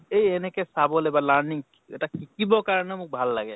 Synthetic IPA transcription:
ejenɛkesabɔlebalaɾniŋ | eʈakikibɔkaɹənɛmuk̚bʱalːaɡɛ

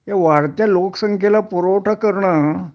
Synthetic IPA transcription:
ɦeʋaɽt̪jaloksəŋkʰelapuɾoʈʰakəɾɳa

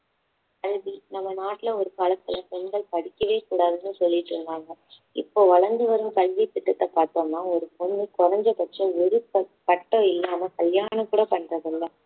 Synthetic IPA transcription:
ɐɻʋinɐmːɐnaːʈːɪlɐɔɾɯkaːlɐt̪ːɪlɐpɔnɡ̪ɐɭpɐɽɪkʲːɐʋeːkuːɽaːðɯnːɯsɔlːɪʈːɾɯnd̪aːŋɡɐ | ɪ̰pːoːʋɐɭɐɾnd̪ɯʋɐɾɯmkɐlʋip̪ːɪʈːɐt̪ːɐpaːɾt̪õːnːaːɔɾɯpɔnd̪ɯkʊrɐɲd͡ʒɐpɐʈɾɐ̃ʋɪɾɯpːɐpɐʈːɔ̃ɪlːaːmɐkɐljaːnɐkuːɽɐpɐɳːɾɐðɯlːɐ

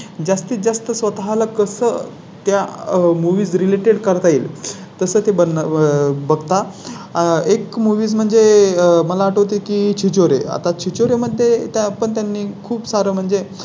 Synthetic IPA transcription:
d͡zast̪iːt̪̚d͡zast̪əsʋət̪aɦalakəsə | t̪jamuʋiːd͡zɾileʈeɽkəɾt̪aiːl | t̪əsəːt̪ebə | bəɡt̪a | ekmuʋiːd͡zm̤əɳd͡zeməlaːʈəʋt̪ikiːt͡ɕʰit͡ɕoɾea̰t̪at͡ɕʰit͡ɕoɾeməd̪ʱːjet̪apəɳt̪janːiːkʰuːbsaɾəːm̤əɳd͡ze

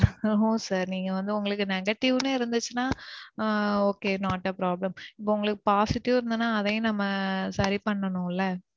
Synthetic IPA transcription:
õːsaːɾniːŋɡɐʋɐnd̪ɯʊŋɡɐɭɯkːɯnɛɣɐʈːɪʋneːɪɾɯnd̪ɯt͡ʃːɯnaː | oːkeːnaːʈːɐpɾaːblɐmɪpːoʊŋɡɐɭɯkːɯpaːsɪʈːɪʋɪɾɯnd̪ɯnːaːɐðɐjʊ̃nɐmːɐsɐɾipɐɳːɐnʊ̃ɪlːɐ

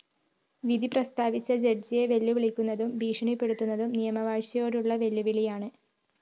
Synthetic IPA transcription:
ʋid̪iprɐst̪aːʋit͡ɕːɐd͡ʑerd͡ʑije̞ʋe̞lːuʋiɭikʲːunːɐðumbʱiːʂɐɳipːe̞ɽut̪ːunːɐðumnijɐmɐʋaːɻɕɐjo̞ːɾuɭːɐʋe̞lːuʋiɭijaːɳɨ

